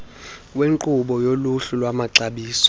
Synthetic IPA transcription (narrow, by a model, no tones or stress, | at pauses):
weŋǃuɓɔjoluɬulwamaǀaɓiːsɔ̥